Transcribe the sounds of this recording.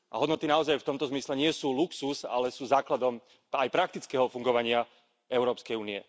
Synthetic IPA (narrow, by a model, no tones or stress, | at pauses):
ʔa̰ɦɔd̪nɔt̪inaɔzajft̪ɔmt̪ɔzmislɛɲɪɛsuːluksusa̰lɛsuːzaːklad̪ɔm | ajpɾak̚t̪it͡skɛɦɔfuŋɡɔʋaɲɪa | ɛʊɾɔːpskɛjuːniɛ̰